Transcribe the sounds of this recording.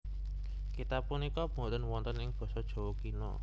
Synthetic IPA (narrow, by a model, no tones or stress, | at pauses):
kit̪apunikɔb̥o̤t̪ənwɔnt̪ənɪŋb̥ɔ̤sɔd̥ʒ̥ɔ̤wɔkinɔ̰